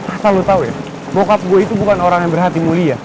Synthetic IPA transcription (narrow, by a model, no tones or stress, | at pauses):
asalot̪auja̰ | bokap̚ɡuait̪ubukanoɾaŋjaŋbərɦat̪imulia